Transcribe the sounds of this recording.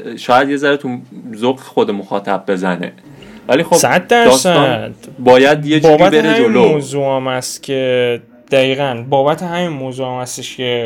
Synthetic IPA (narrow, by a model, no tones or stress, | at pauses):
ʃɒːjæd̪je̞zæɾet̪ʰuzoɡe̥xod̪emoxɒːt̪ʰæb̚ːe̞zænḛ | vælixobsæt̪̚d̪æɾɒːsæd̪bɒːjæd̪jed͡ʒbuɒːbɾæibeɾed͡ʒolomoːzuːæmhæst̪cʲʰe̞ | d̪̥æiːɣænbɒːbæt̪ʰeɦæminmoːzuːæmhæst̪eʃcʰe̞